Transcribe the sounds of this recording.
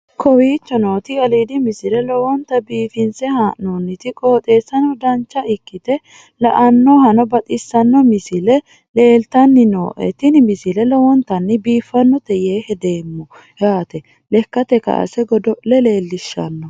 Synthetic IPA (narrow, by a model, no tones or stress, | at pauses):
kʰɔwiːt͡ʃːɔnoːt̪ɪɐliːd̪ɪmɪsɪlɛlɔwɔnt̪ːɐbiːfɪnsɛhaːnonːɪt̪ɪkʼo̞ːt̪ʼe̞ːsːɐnɔd̪ɐnt͡ʃːɐɪkːɪt̪ɛ | lɐʔɐnːɔhɐnɔbɐt̪ʼɪsːɐnːɔmɪsɪlɛ | le̞ːlt̪ɐnːɪno̰ːʔɛ̰t̪ɪnɪmɪsɪlɛlɔwɔnt̪ɐnːɪbiːfːɐnːɔt̪ɛjeːhɛd̪e̞ːmːɔ | jaːt̪ɛ | lɛkːɐt̪ɛkɐ̰ʔɐ̰sɛɡɔd̪ɔlɛleːlːɪʃːɐ̰nːɔ